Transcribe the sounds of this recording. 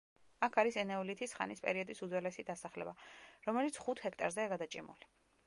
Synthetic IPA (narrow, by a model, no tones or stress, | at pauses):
akʰaɾisɛnɛvlit̪ʰisχa̰nispʼɛ̰ɾiɔd̪isud̪zwɛlɛsid̪asaχlɛ̰baɾɔmɛlit̪sʰχut̪ʰhɛkʰt̪ʼaɾzɛaɡad̪at͡ʃʼimṵli